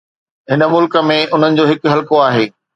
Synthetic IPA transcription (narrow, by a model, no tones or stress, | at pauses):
ɦɪnə̆mʊlkə̆mẽʔʊn̤ənɪ̆d͡ʑoːɦɪkɦɐlkoaːɦeː